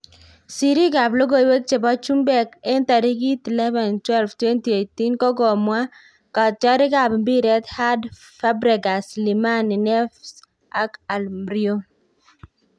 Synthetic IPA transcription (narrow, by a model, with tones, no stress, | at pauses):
si˨ɾi˦ɡa˨blo˦ɡo˦jwe˦k̚t͡ʃe˨bɔ˦t͡ʃu˦mbɛ˦kɛ˦nt̪a˨ɾi˦ɡi˦tlɛ˦va˨ntwɛ˦lftwe˦nti˨e˨ti˦nkɔ˦ɡɔ˨mwa˦ | ka˨t̚t͡ʃɔ˦ɾɪ˦ɡa˨bmbi˦ɾɛ˦t̪ha˦d | fa˦bɾɛ˨ɡa˨sli˨ma˦ni˨nɛ˦fs | a˦ka˨lmɾi˦o˦